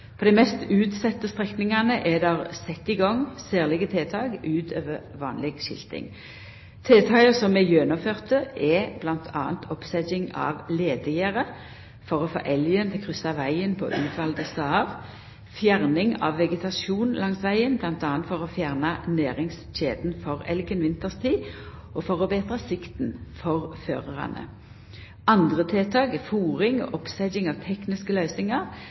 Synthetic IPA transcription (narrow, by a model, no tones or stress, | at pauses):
pʰɔd̪æɪmɛst̪ʉːt̪sɛt̪ːəst̪ʁɛknɪŋɑnəʔɛd̪ɑʁsɛt̪ːɪɡɔŋsæːʁlɪɡət̪ʰeːt̪ʰɑːɡʉːt̪ʰøːʋəʋɑːnlɪɡʃɪ̰lt̪ɪ̰ŋ | t̪ʰeːt̪ʰɑːəsɔmɛjønʊmføːʁt̪əʔɛb̥lɑnt̪ʰɑːnt̪ʰɔpsɛdɪŋɑ̰ʋleːd̪əjæʁə | fɔʁɔfo̰ːʔɛljənt̪ʰɪlkʰʁʏsɑʋæɪənpʰɔ̰ʔʉːt̪ʰʋɑld̪əst̪ɑːʋ | fjæʁnɪŋɑ̰ʋːɛɡət̪ʰɑʃuːnlɑŋsʋæɪənblɑnt̪ɑːnt̪fɔʁɔfjæːʁnɑnæːʁɪŋs | t͡ʃeːd̪n̩fɔʁɛ̰lɡənʋɪnt̪əʁst̪ʰiː | ʔɔfɔʁɔbeːt̪ʁɑsɪkt̪nfɔʁfø̰ːʁəʁɑ̰nə̰ | ɑnd̪ʁət̪ʰeːt̪ʰɑːɡəfuːʁɪŋɔ̰ʔɔpsɛd͡ʒɪŋɑʋt̪ʰɛknɪskəløːsɪŋɑʁ